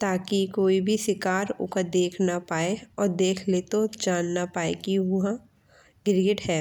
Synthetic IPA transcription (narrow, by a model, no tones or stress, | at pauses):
t̪aːkikoːibʱisɪkaːɾʊ̰kəɾd̪eːkʰnapaːeɔːɾd̪eːkʰlet̪od͡ʒaːnːapaːḛkiʊɦã | ɡɪɾɡɪʈɦɛː